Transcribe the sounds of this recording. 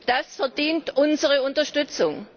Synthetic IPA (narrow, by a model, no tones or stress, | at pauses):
d̥asfɛɐdiːntʔʊnzəʁəʊntɐʃtʏt͡sʊŋ